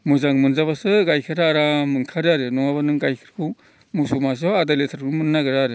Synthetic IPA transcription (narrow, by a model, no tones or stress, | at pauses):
muzaŋmɯnzaβasɯɡajkʰɯɾaɾamɯŋkʰaɾaɾɯnɔŋaβanɯŋɡajkʰɯ̥ɾkʰu | musumas̬ɔadaletʰaɾkʰumɯnːaɡɯɾaɾɯ